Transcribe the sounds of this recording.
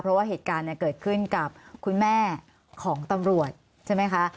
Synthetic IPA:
pʰɾɔ˦˥waː˥˩eː˨˩t̪̚kaː˧nːi˧˥˩kɤː˨˩t̪̚kʰɯ˥˩nka˨˩p̚kʰu˧nmɛː˥˩ | kʰɔː˩˦ŋt̪a˧mɾu˨˩ət̪̚ | t͡ɕʰe˥˩jma˦˥jkʰa˦˥

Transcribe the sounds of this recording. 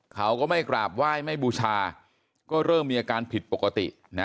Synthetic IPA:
kʰa˦˥wkɔː˥˩ma˥˩jkɾaː˨˩p̚waː˥˩jma˥˩jbuː˧t͡ɕʰaː˧ | kɔː˥˩ɾɤː˥˩mːiː˧a˧kaː˧npʰi˨˩t̪̚po˨˩kːa˧t̪ḭ˨˩ʔ | na˦˥

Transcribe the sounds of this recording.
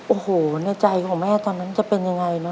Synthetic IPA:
ʔoː˨˩hoː˩˦na˥˩t͡ɕa˧jkʰɔː˩˦ŋmɛː˥˩t̪ɔː˧nːa˦˥nt͡ɕa˨˩pe˧nja˧ŋa˧jnɔ˦˥

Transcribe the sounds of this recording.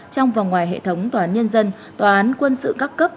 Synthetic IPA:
t͡ɕɔ˧wŋ͡mva˨˩ŋwaː˨˩jɦḛ˧˨t̪ʰə˨˦wŋ͡mt̪wːaː˨˦nɲə˧nzə˧n | t̪waː˨˩ʔaː˨˦nkwə˧nsɨ̰˧˨kaː˦˥kːə˦˥p̚

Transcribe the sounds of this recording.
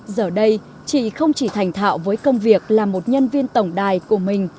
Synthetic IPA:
zəː˨˩ɗə˧j | t͡ɕḭ˧˨xə˧wŋ͡mt͡ɕi˧˩t̪ʰa˨˩jŋ̟t̪ʰa̰ː˧˨wvəː˨˦jkə˧wŋ͡mvi˨˩ək̚laː˨˩mo˨˩t̚ɲə˧nvi˧ənt̪ə˧˩wŋ͡mɗaː˨˩jku˧˩əmï˨˩ŋ̟

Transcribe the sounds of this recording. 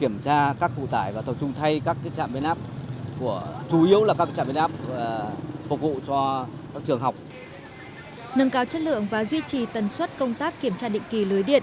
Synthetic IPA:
ki˧˩əmt͡ɕaː˧kaː˦˥k̚vṵ˧˨t̪aː˧˩jvaː˨˩t̪ʰə˨˩wt͡ɕʊ˧ŋ͡mt̪ʰa˧jkaː˦˥k̚ːjt͡ɕa̰ː˧˨mɓi˧nʔaː˦˥p̚ku˧˩ət͡ɕu˨˦ʔi˨˦əwlaː˨˩kaː˦˥k̚t͡ɕa̰ː˧˨mɓi˧nʔaː˦˥p̚ːfʊ˨˩k̚vṵ˧˨t͡ɕɔ˧kaː˦˥k̚t͡ɕɨ˨˩əŋɦa˨˩wk͡p̚ | nə˧ŋkaː˨˦wt͡ɕə˦˥t̚lɨ̰˧˨əŋvaː˨˩zwi˧t͡ɕi˨˩t̪ə˨˩nswə˦˥t̚kə˧wŋ͡mt̪aː˦˥kːi˨˧˩əmt͡ɕaː˧ɗḭ˧˨ŋ̟ki˨˩lɨː˨˦jɗḭ˧˨ən

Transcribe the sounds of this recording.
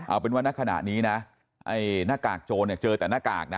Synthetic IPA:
ʔa˧˩pe˧nwa˥˩na˦˥˩kʰa˧na̰˨˩ʔniː˦˥na˦˥ | ʔa˧˩jnaː˥˩kaː˨˩k̚t͡ɕoː˧ni˧˩t͡ɕɤː˧t̪ɛː˨˩naː˥˩ka̰ː˨˩k̚na˦

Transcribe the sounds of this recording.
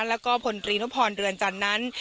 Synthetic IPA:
lɛː˦˥wkɔː˥˩pʰo˨˧˩nt̪ɾiː˧nu˦˥pʰːɔː˧nɾɯ˧ənt͡ɕa˨˧˩nːa˦˥n

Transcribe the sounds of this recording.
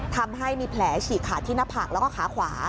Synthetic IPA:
t̪ʰa˧mɦa˥˩jmiː˧pʰlɛː˩˦t͡ɕʰiː˨˩kʰaː˨˩t̪ʰːiː˥˩na˦˥pʰaː˨˩k̚lɛː˦˥kɔː˥˩xʰaː˩˦kʰwaː˩˦

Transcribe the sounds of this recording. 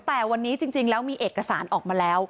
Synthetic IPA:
t̪ɛː˨˩wa˧nːiː˦˥t͡ɕi˧ŋt͡ɕi˧ŋlɛː˦˥wmiː˧ʔeː˨˩kːa˧saː˩˦nʔɔː˨˩k̚maː˧lɛː˦˥w

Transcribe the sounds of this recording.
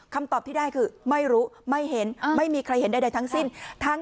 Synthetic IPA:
kʰa˧mt̪ɔː˨˩p̚t̪iː˥daː˥˩jkʰɯː˧ma˥˩jɾuː˦˥ma˥˩jɦe˩˦nma˥˩jmiː˧kʰɾa˧jhe˩˦nda˥˩jda˧jt̪ʰa˦˥ŋsi˥˩nt̪ʰa˦˥ŋ

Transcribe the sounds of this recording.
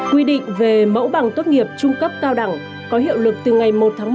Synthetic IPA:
kwi˧ɗḭ˧˨ŋ̟ve˨˩mə̰˧˥wɓa˨˩ŋt̪o˦˥t̚ŋi˨˩əp̚t͡ɕʊ˧ŋ͡mkə˦˥p̚kaː˧wɗa˨˩ŋ | kɔ˨˦ɦḭ˧˨əwlɨ˨˩k̚t̪ɨ˨˩ŋa˨˩jmo˨˩t̚t̪ʰːŋ

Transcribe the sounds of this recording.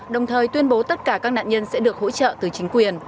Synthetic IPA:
ɗə˨˩wŋ͡mt̪ʰəː˨˩jt̪wi˧ənɓo˨˦t̪ə˦˥t̚kaː˧˩kaː˦˥k̚na̰ː˧˨ɲə˧nsɛ̰˧˥ɗɨ˨˩ək̚ho̰˧˥t͡ɕə̰ː˧˨t̪ɨ˨˩t͡ɕï˨˦ŋ̟kwi˨˩ən

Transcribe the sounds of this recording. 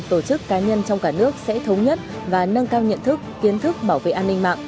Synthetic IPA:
t̪o˧˩t͡ɕɨ˦˥kːaː˨˦ɲə˧nt͡ɕɔ˧wŋ͡mkaː˧˩nɨ˦˥ək̚sɛ̰˧˥t̪ʰə˨˦wŋ͡mɲə˦˥t̚ | vaː˨˩nə˧nkaː˧wɲə̰˧˨nt̪ʰɨ˦˥kːi˨˦ənt̪ʰɨ˦˥k̚ɓaː˧˩wvḛ˧˨ʔaː˧nːï˧ŋma̰ː˧˨ŋʔ

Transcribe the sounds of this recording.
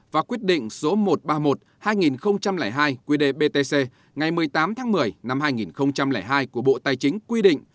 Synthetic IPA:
vaː˨˩kwi˦˥ət̚ɗḭ̈˧˨ŋ̟so˨˦mo˨˩t̚ɓaː˧mo˨˩t̚ | haː˧jŋi˨˩nxə˧wŋ͡mt͡ɕa˧mlɛː˧˩jɦaː˧jkwi˨˦ɗe˧˩ɓe˧t̪e˧se˧ | ŋa˨˩jmɨ˨˩əjt̪aː˨˦mt̪ʰaː˨˦ŋmɨ˨˩əjna˧mhaː˧jŋi˨˩nxə˧wŋ͡mt͡ɕa˧mlɛː˧˩jɦaː˧jku˧˩əɓo̰˧˨t̪aː˧jt͡ɕï˨˦ŋ̟kwi˧ɗḭ˧˨ŋ̟

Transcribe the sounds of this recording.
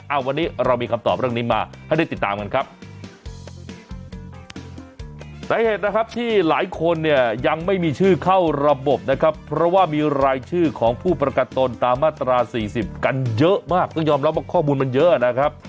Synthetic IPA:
ʔa˨˩wa˧nːiː˦˥ɾa˧wmiː˧kʰa˧mt̪ɔ̰ː˨˩p̚ɾɯ˥˩əniː˦˥maː˧ha˩jda˥˩jt̪i˨˩t̪ːaː˧mka˧nkʰa˦˥p̚ | saː˨˦heː˨˩t̪̚na˦˥kʰa˦˥p̚t̪ʰiː˥˩laː˩˦jkʰo˧nːi˥˩əja˧ŋma˥˩jmiː˧t͡ɕʰɯː˥˩kʰa˥˩wɾa˧bo˨˩p̚na˦˥kʰa˦˥pʰːɾɔ˦˥waː˥˩miː˧ɾaː˧jt͡ɕʰɯː˥˩kʰɔː˩˦ŋpʰuː˥˩pɾa˧ka˨˩t̪ːo˧nt̪aː˧mːaː˥˩t̪ɾaː˧siː˨˩si˨˩p̚ka˧njɤ˦˥ʔmaː˥˩k̚t̪ɔː˥˩ŋjɔː˧mɾa˦˥p̚waː˥˩kʰɔː˥˩muː˧nma˧njɤ˦˥ʔa˨˩na˦˥kʰɾa˦˥p̚

